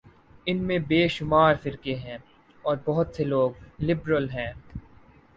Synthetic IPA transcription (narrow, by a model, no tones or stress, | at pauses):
ɪnmẽbeːʃʊmaːɾfɪɾkeɦɛ̃ː | ɔːɾbɔɦʊt̪seloːɡ̚lɪbɾəlɦɛ̃ː